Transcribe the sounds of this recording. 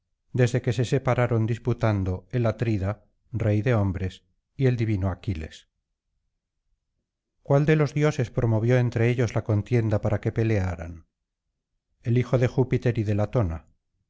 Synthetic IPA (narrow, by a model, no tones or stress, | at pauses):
d̪e̞zðe̞ke̞se̞se̞paɾaɾo̞nd̪isput̪and̪o̞e̞lat̪ɾiða | re̞jðe̞o̞mbɾe̞s | ie̞ld̪iβinoakile̞̰s | kwald̪e̞lo̞zðjo̞se̞spɾo̞mo̞β̞jo̞e̞nt̪ɾe̞eʎo̞zlako̞nt̪je̞nd̪apaɾake̞pe̞le̞aɾa̰n | e̞lixo̞ðe̞xupit̪e̞ɾiðe̞lat̪o̞na